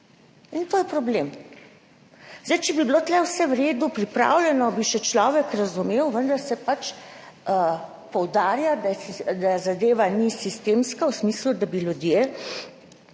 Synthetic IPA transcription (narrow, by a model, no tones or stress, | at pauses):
int̪oːjɛpɾɔblem | zd̪ɛjt͡ʃɛbibilot̪lɛwsɛwɾeːd̪upɾipɾa̰wlɛnɔbiʃɛt͡ʃlɔːʋɛkɾazumeːwʋənd̪ɐɾsɛpat͡ʃə | pɔwd̪aːɾjad̪ad̪azad̪eːʋanisist̪eːmskawsmiːslud̪abilud̪jeː